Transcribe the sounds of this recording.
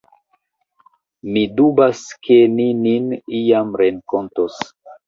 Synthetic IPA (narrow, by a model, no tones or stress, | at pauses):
midubaskʰenininijamɾeŋkontos